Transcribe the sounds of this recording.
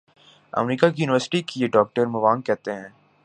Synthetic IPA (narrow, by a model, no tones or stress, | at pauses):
ɐ̰mɾiːkakijuːnɪʋəɾsɪ̥ʈikejeɖɔːk̚ʈəɾmɐʋaːŋkɛɦt̪eɦɛ̃ː